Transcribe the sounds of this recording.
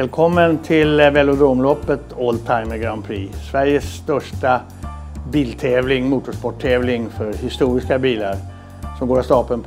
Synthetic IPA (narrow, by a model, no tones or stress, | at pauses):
lkʰɔmːənt̪ʰɪlvɛlʊd̪ɾomlɔpːət̪oːlt̪ʰaɪməɡɾaʊnpʰɾḭːsvæɾjəsːt̪œʂʈa | biːlt̪ʰeːvlɪŋmuːt̪ʊʂpɔʈʰːeːvlɪŋfœɾhɪst̪uːɾɪskabiːlaɾ | sɔmɡoːɾɔst̪ɑːpənp